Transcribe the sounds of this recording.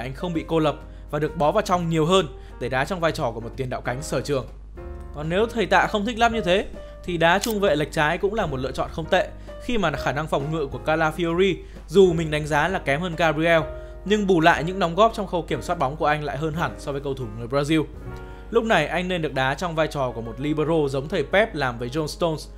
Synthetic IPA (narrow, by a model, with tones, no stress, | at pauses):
ʔa˧jŋ̟xə˧wŋ͡mɓḭ˧˨ko˧lə˨˩p̚ | vaː˨˩ɗɨ˨˩ək̚ɓɔ˨˦vaː˨˩wt͡ɕɔ˧wŋ͡mɲi˨˩əwɦəː˧n | ɗe˧˩ɗaː˨˦t͡ɕɔ˧wŋ͡mvaː˧jt͡ɕɔ˧˩ku˧˩əmo˨˩t̪i˨˩ənɗa̰ː˧˨wka˨˦ŋ̟səː˧˩t͡ɕɨ˨˩əŋ | kɔ˨˩nne˨˦wt̪ʰə˨˩jt̪a̰ː˧˨xə˧wŋ͡mt̪ʰi˦˥k̚la˦˥p̚ɲɨ˧t̪ʰe˨˦ | t̪ʰi˨˩ɗaː˨˦t͡ɕʊ˧ŋ͡mvḛ˧˨la˨˩jk̚t͡ɕaː˨˦jkʊ̰˧˥ŋ͡mlaː˨˩mo˨˩lɨ̰˧˨ət͡ɕɔ̰˧˨nxə˧wŋ͡mt̪ḛ˧˨ | xi˧maː˨˩˨xaː˧˩na˧ŋfɔ˨˩wŋ͡mŋɨ̰˧˨ku˧˩əkaː˧laː˧fi˧o˧ɾi˧ | zu˨˩mï˨˩ŋ̟ɗa˨˦ŋ̟zaː˨˦laː˨˩kɛ˨˦mhəː˧nkaː˧bi˧ɛ˧w | ɲɨ˧ŋɓu˧˩la̰ː˧˨jɲɨ̰˧˥ŋɗɔ˨˦wŋ͡mɣɔ˦˥p̚t͡ɕɔ˧wŋ͡mxə˧wki˧˩əmswaː˦˥t̚ɓɔ˨˦wŋ͡mku˧˩əʔa˧jŋla̰ː˧˨jɦəː˧nɦa˧˩nsɔ˧vəː˨˦jkə˧wt̪ʰu˧˩ŋɨ˨˩əjɓzaː˧zi˧əw | lʊ˦˥k͡p̚na˨˩jʔa˧jŋne˧nɗɨ˨˩ək̚ɗaː˨˦t͡ɕɔ˧wŋ͡mvaː˧jt͡ɕɔ˨˩ku˧˩əmo˨˩t̚li˧ɓə˧zo˧zə˨˦wŋ͡mt̪ʰə˨˩jpɛ˦˥p̚laː˨˩mvəː˨˦jzo˧nst̪o˧ns